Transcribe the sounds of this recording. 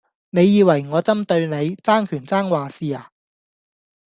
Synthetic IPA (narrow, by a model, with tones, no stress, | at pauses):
ne˨˧jːiː˨˧wɐ˨˩jŋɔː˨˧t͡sɐ˥mt̪ɵ˧ɥne˨˧jt͡saː˥ŋkʰyː˨˩nt͡saː˥ŋwaː˨siː˧aː˨